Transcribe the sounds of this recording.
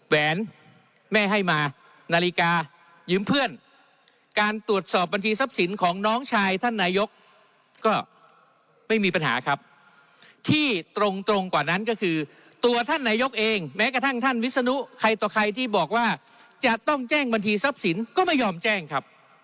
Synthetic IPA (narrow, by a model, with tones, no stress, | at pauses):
wɛː˩˦n | mɛː˥˩ɦa˥˩jmaː˧ | naː˧li˦˥kaː˧ | jɯː˦˥mpʰɯ˥˩ən | kaː˧nt̪u˨˩ət̪̚sɔː˨˩p̚ba˧nt͡ɕʰiː˧sa˦˥p̚si˩˦nkʰɔː˩˦ŋnɔː˦˥ŋt͡ɕʰaː˧jt̪ʰa˥˩nːaː˧˥jo˦˥k̚ː | ɔː˥˩ | ma˥˩jmiː˧pa˧nɦa̰ː˩˦kʰɾa˦˥p̚ | t̪ʰiː˥˩t̪ɾo˧ŋt̪ɾo˧ŋkwaː˨˩na˦˥nkɔː˥˩kʰɯː˧ | t̪u˧ɐt̪ʰa˥˩nːaː˧jo˦˥k̚ʔeː˧ŋmɛː˦˥ka˧t̪ʰa˥˩ŋt̪ʰa˥˩nwi˦˥t̪̚sa˧nu˦˥kʰa˧jt̪ɔː˨˩kʰa˧jt̪ʰiː˥˩bɔː˨˩k̚waː˥˩ | t͡ɕa˨˩t̪ɔ˥˩ŋt͡ɕɛː˥˩ŋba˧nt͡ɕʰiː˧sa˦˥p̚si˩˦nkɔː˥˩ma˥˩jɔː˧mt͡ɕɛː˥˩ŋkʰa˦˥p̚